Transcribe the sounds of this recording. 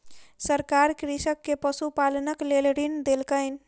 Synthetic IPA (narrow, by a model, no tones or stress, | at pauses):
səɾkaɾkɾisəkːepəsupalənəklelɾind̪elkəɪn